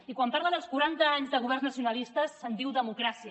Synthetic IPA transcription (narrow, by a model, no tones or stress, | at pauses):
ikwampaɾləðəlˠskuɾant̪əaɲzðəɣuβɛrznəsiunəlist̪əsːənd̪iwðəmukɾasiə